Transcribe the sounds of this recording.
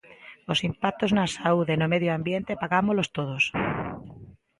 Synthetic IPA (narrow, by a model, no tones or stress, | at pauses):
osimpak̚t̪oznasauðenomeðjoambjent̪epaɣamolost̪oð̞os